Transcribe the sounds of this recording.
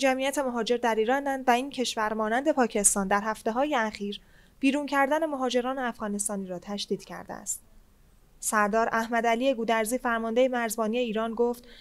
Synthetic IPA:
d͡ʒæmijæt̪ʰe̞moɦɒːd͡ʒe̞ɾd̪æɾiːɾɒːnd̪ænd̪væiːŋncʰe̞ʃvæɾmɒːnænd̪e̞pʰɒːcʰe̞st̪ɒːnd̪æɾɦæft̪e̞ɦɒːjeæχiːɾ | b̥iːɾuncʰæɾd̪æne̞moɦɒːd͡ʒe̞ɾɒːneæfɣɒːnest̪ɒːniːɾɒːt̪ʰæʃd̪iːd̪̥cʰæ̰ɾd̪ḛæ̰st̪ | sæɾd̪ɒːɾʔæhmæd̪æliːe̞ɡuːd̪æɾziːfæɾmɒnd̪e̞jemæɾzbɒːnije̞iːɾɒːnɡoːft̪

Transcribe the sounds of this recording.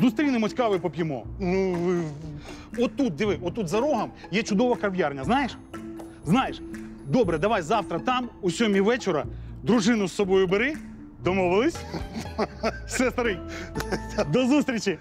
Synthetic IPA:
zust̪ɾʲijnɪmɔtʲkɑʋɪpɔpʲjɪmɔ̰nu | ɔt̪ːut̪̚d̪ɪʋɪɔt̪ːut̪zɐɾɔɦɐmjɛt͡ʃʊd̪ɔʋɐkɐʋjarnʲɐznɑjeʃ | znɑjeʃd̪ɔbɾɛd̪ɐʋɑjzɑwt̪ɾɐt̪ɑmʊsʲɔmʲiʋɛt͡ʃɪɾɐd̪ɾʊʐɪnʊsːɔbɔjʊbeɾɪ | d̪ɔmɔʋɪlˠɪsʲ | sɛst̪ɐɾɪ | d̪ɔzust̪ʲɾʲit͡ʃi

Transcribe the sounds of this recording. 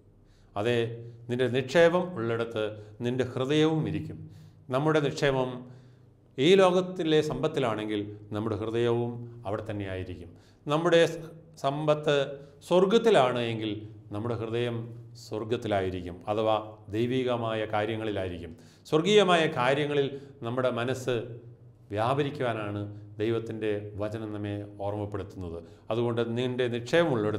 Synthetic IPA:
ɐðeninde̞niʂeːʋɐmuɭːeɽut̪ːɨninde̞hrɨðɐjɐʋumiɾikʲːumnɐmːuɽe̞niʂeːʋɐm | iːlo̞ːɣɐt̪ːile̞sɐmbɐt̪ːilaːɳe̞ŋɡilnɐmːuɽehrɨðɐjɐʋumɐʋiɽet̪ɐnːe̞jaːjiɾikʲːum | nɐmːuɽe̞sɐmbɐt̪ːɨ | sorɡɐt̪ːilaːɳɨeŋɡilnɐmːuɽe̞ɦrɨðɐjɐmsworɡɐt̪ːilaːjiɾikʲːumɐðɐʋad̪ejʋiːɣɐmaːjɐkaːɾjɐŋːɐɭilaːjiɾikʲːum | swɐrɡiːɣɐmaːjɐkaːɾjɐŋːɐɭilnɐmːuɽe̞mɐnɐsɨ | ʋjaːbɐɾikʲːuʋaːnaːɳɨd̪ejʋɐt̪ːinde̞ʋɐt͡ɕɐnɐnɐmːe̞o̞ːrmɐpːe̞ɽut̪ːunːɐðɨ | ɐðuɣo̞ɳɖɨninde̞niʂɐjɐmuɭːɐʋɽ

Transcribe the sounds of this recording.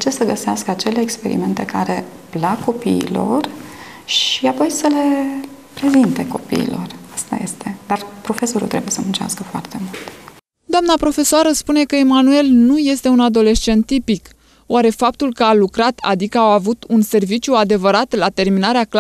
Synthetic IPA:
t͡ʃesəɡəseaskəat͡ʃe̞leːkspe̞ɾḭme̞nt̪e̞kaɾe̞ | plakːo̞pḭːlo̞̰r | ʃiapo̞jsəle̞ | pɾe̞zint̪e̞ko̞pḭḭlo̞̰rast̪a̰je̞̰st̪e̞d̪arpɾo̞fe̞so̞ɾṵt̪ɾe̞buje̞səmunt͡ʃa̰skəfoa̰rt̪e̞mult̪ | d̪oamnapɾo̞fe̞soaɾəspune̞kəemanue̞lnuje̞st̪e̞unad̪o̞le̞ʃt͡ʃe̞nt̪ːipik | waɾe̞fap̚t̪ulkəalukɾat̪ʰa̰d̪ikəawavut̪unse̞rvit͡ʃjuad̪e̞vəɾat̪lat̪e̞rminaɾeak

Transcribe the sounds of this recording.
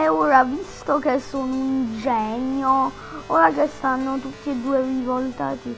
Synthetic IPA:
ɛoːɾavist̪okesːoːnouind͡ʒɛɲːo | oːɾakest̪anːot̪ut̪ːied̪ːuːerivolt̪a̰ːt̪i

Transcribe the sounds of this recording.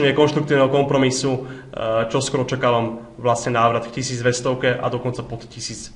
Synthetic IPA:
ɲɛkɔnʃt̪ɾuk̚t̪iːʊnɛɦɔkɔmpɾɔmisu | t͡ʃɔskɔɾɔt͡ʃakalɔm | ʋlasɲɛnaːʋɾad̪kcisiːd͡zʋɛst̪ɔʊkɛʔa̰d̪ɔkɔnt͡sapɔt̪cisiːt͡s

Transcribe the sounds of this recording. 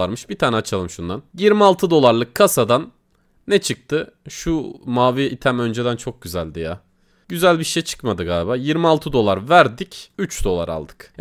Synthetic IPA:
aɾmɯʃbit̪ʰaːnɛat͡ʃʰalˠɯmʃund̪anjiɾmialˠt̪ʰɯd̪o̞lˠaɾlˠɯkʰːasad̪anː | ɛt͡ʃʰɯk̚t̪ʰɯʃumaːviit̪ʰæmø̞nd͡ʒed̪ænt͡ʃʰo̞k̚ɟyzælʲd̪ijaː | ɟyzælʲbiʃeɛjt͡ʃʰɯ̥kmad̪ɯɡaːlʲbaːjiɾmialˠt̪ʰɯd̪o̞lˠaɾvæɾd̪icyt͡ʃd̪o̞lˠa̰ɾa̰lˠd̪ɯ̥k

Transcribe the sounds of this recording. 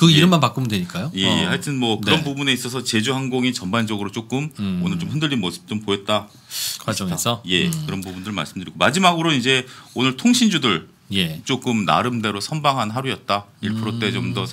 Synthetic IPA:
kɯiɾɯmːanpak͈omɯndweɲik͈ajoje̞haɭtʰɯnmwʌkɯɾʌnpubune̞is͈ʌs̬ʰʌt͡ɕe̞d͡ʑuɦanɡoŋit͡ɕʌmband͡ʑʌɡɯɾot͡ɕ͈ok͈ɯmonɯɭt͡ɕomɸɯndɯʎːimosʰɯ̥p̚t͡ɕ͈ompoet̚t͈a | kʰaʌasʌje̞kɯɾʌnpubundɯɭma̰ɭs͈ɯmdɯɾiɡomad͡ʑimaɡɯɾoid͡ʑe̞onɯɭtʰoŋɕʰind͡ʑudɯɭ | jet͡ɕ͈ok͈ɯmna̰ɾɯmde̞ɾosʰʌnbaŋɦanɦaɾujʌt̚t͈aiɭpʰɯɾot͈e̞t͡ɕomdʌ

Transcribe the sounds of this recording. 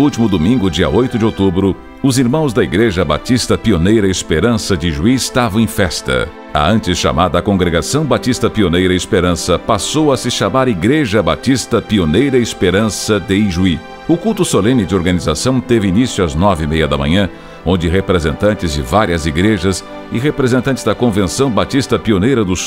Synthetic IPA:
ut͡ʃimʊd̪omĩŋɡʊd͡ʒiɐ̰ʔojt̪ʊd͡ʒɪowt̪ubɾʊ | ʊziɾmɐ̃w̃zd̪ɐiɡɾeʒɐba̰t͡ʃ̪ist̪ɐpionejɾɐɪspeɾɐ̃sɐd͡ʒ̪ɪʒuist̪avɐw̃ẽfɛst̪ɐ̰ | ɐ̰ɐ̃nt͡ʃɪsʃa̰maɾd̪ɐːkõŋɡɾeɡasɐ̃w̃bat̪ist̪ɐpionejɾɐɪspeɾɐ̃sɐpasowɐsɪʃamaɾiɡɾeʒɐbat̪ist̪ɐpionejɾɐɪɪspeɾɐ̃sɐd̪ɪiʒui | ʊkulˠt̪ʊsolẽmɪd͡ʒɪoɾɡɐnizasɐ̃w̃t̪evɪinisjʊɐznɔvɪmejɐd̪ɐmɐ̰̃ɲɐ̃ | õnd͡ʒɪɦepɾezẽnt̪ɐ̃nt͡ʃɪzd͡ʒɪvaɾiɐziɡɾeʒɐs | ɪɦepɾezẽnt̪ɐ̃nt͡ʃ̪ɪ̥zd̪ɐkõvẽsɐ̃w̃bat̪ist̪ɐpionejɾɐd̪ʊs

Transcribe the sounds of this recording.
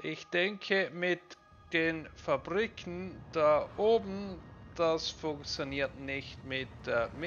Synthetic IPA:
ʔɪçd̥ɛŋkʰəmɪt | d̥eːnfabʁikʰn̩d̥aʔoːbn̩d̥asfʊŋkt͡sjoniːɐtnɪçtmɪt̚ːmɪ

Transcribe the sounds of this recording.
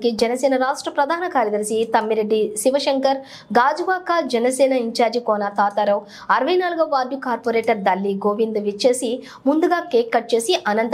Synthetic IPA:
kid͡ʒɛnɐsɛːnɐɾaːʂʈɾɐpɾɐd̪ʱaːɐnɐkaːɾjɐd̪ɐɾsit̪ɐmːiɾeɖːiʃiʋɐʃɐŋkɐɾ | ɡaːd͡ʒuʋaːkaːd͡ʒɛnɐsɛːnɐiɲt͡ʃaːɾd͡ʒikoːnaːt̪aːt̪aɾɐw | ɐɾɐʋɐjnaːluɡɐːaːd̪jukaːɾpoɾeːʈɐɾd̪ɐlːiɡoːʋind̪ʋit͡ʃːeːsi | mund̪uɡaːkeːkːɐʈ̚t͡ʃe̞ːsiʔɐnɐnt̪

